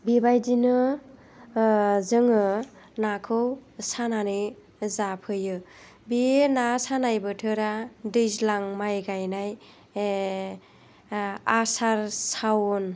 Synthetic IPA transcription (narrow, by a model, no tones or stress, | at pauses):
bibajdinɯ | zɯŋɯ | nakʰɯwsananɯj | zapʰɯjɯ | bienasanajbɯtʰɯɾadɯjzlaŋmajɡajnaj | asaɾsawɔn